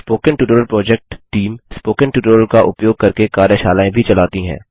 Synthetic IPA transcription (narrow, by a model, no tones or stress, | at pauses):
spoːkənʈjuːʈəɾəlpɾɔːd͡ʒɛk̚ʈʈiːmspoːkənʈjuːʈəɾəlkaʔʊpjoːɡ̚kɐɾkekaːɾjəʃaːlaːẽbʱit͡ʃɐlaːt̪iɦɛ̰̃ː